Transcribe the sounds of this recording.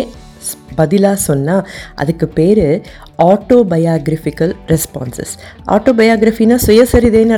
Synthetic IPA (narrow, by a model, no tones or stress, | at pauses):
bɐðɪlaːsɔnːaːʔɐ̰ðɯkːɯpːeːɾɯ | aːʈːoːbɐjaːɡɾɐfɪkɐlɾɛspa̰ːnsɐ̰sʔa̰ːʈːoːbɐjaːɡɾɐfinaːsɔjɐsɐɾiðeːnɐ